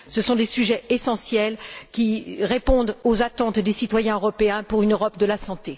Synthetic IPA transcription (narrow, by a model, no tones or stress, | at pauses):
səsɔ̃d̪esyʒɛesɑ̃sjɛlkʲiʁepɔ̃d̪ozat̪ɑ̃t̪d̪esit̪wajɛ̃øʁɔpeɛ̃puʁynøʁɔp̚d̪əlasɑ̃t̪e